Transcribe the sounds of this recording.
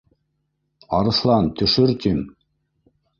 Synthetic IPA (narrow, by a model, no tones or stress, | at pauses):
ɑ̰ɾɤ̆slˠɑnt̪ɵ̆ʃɵɾt̪im